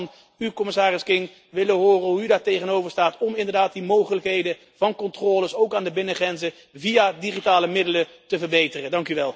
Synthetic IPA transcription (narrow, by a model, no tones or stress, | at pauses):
n | ykɔmɪsaːrɪskɪŋ | ʋɪləɦʊːrənɦuydaːɹtejχənowvəɹstaːtɔmɪndəɹdaːt̚dimowχələkɦejdə | v̥ɑnkɔntrɔːləsowkaːndəbɪnəχrɛnzə | viadiχitaːləmɪdələ | təvəɹbejtərədɑŋkyʋɛlˠ